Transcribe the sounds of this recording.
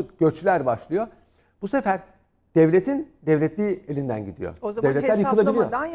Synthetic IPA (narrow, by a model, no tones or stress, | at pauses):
ɯkɟ̥ø̞t͡ʃlʲæɾbaʃlˠɯjo̞ | b̥use̞fæɾ | d̪̥ɛvlʲet̪ʰind̪ɛvlʲɛt̪ʰlʲiːelʲind̪æ̰nɟid̪ḭjo̰d̪ɛvlɛtlʲːæɾjɯkɯlˠabilʲijo̞